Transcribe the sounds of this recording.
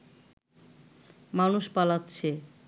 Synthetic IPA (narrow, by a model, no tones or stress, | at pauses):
manuʃpalatːɕʰe